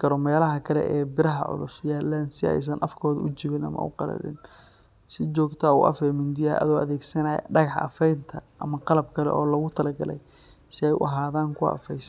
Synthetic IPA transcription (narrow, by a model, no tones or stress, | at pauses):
kʰɐɾɔmɛːlɐɦɐkʰɐlɛ̰ʔɛːbɪɾɐɦɐ̰ʕʊ̰lʊsjaːlɛːnsɪɛ̰js̬ɐnʔɐfkʰɔːðʊt͡ʃɪβɪnɐ̰mɐ̰ʊ̰qɑlɐ̰ɽɪ̰n | sɪt͡ʃɔːɡt̪ʰɐʊʔɐ̰fɛːmɪnd̪ɪjaʔɐ̰ðɔːɐðɛːɡsɐnajɐ̰ɖɑɣɑħʔɐ̰fɛjnt̪ʰɐʔɐmɐqɑlɐb̚kʰɐlɛ̰ʔɔːlɐɣʊt̪ʰɐlɐɡɐlɛj | sɪɛjʊʔɐɦaːðaːŋkʰʊɐ̰fɛjs